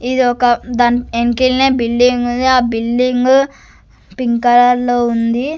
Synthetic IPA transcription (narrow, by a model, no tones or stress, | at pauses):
id̪iɔkɐd̪aːnenkilneːbilɖiŋɡund̪iaːbilɖiŋɡ | piŋkɐɾaɾloːund̪i